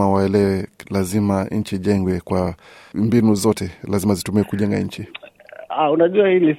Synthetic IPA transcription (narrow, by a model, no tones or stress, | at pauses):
awaɛlɛwɛlazimaɲ̩t͡ʃiʄɛŋɡwɛkwa | mbinuzɔtɛlazimazitumiɛkuʄɛŋɡa̰ɲ̩t͡ʃi | aunaʄuahili